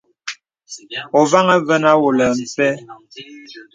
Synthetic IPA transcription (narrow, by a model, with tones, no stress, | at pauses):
ɔ˨va˦ŋa˦və˦na˦wo˨lə˨m̩˨pɛ˦